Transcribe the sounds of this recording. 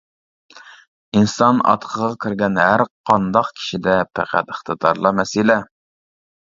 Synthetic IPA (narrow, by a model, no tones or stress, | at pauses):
insɑnɑ̰t̪qʰəʁɑkʲʰiɾɡʲɛnɦæɾqʰɑnd̪ɑqkʲʰi̥ʃid̪ɛpʰæ̰qʰæ̰t̪əχt̪əd̪ɑɾlˠɑmɛsɪlɛ